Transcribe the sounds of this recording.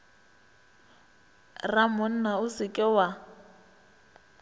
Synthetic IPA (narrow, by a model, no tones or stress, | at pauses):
ramʊn̩naʊsɪkʼɪwa